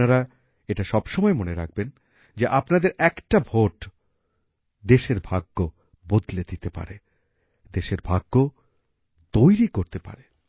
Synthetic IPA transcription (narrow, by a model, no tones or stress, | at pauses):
aɾa | eʈaʃɔbʃɔmɔemoneɾak̚ʰben | d͡ʑeʔapnad̪eɾɛkʈabʱoʈ | d̪eʃeɾbʱaɡːo | bod̪led̪it̪epa̰ɾe | d̪eʃeɾbʱaɡːo | d̪ojɾikoɾt̪epa̰ɾe